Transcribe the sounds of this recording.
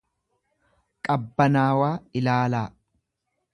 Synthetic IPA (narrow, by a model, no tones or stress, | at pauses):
kʼɐbːɐnaːwaːɪlaːlaː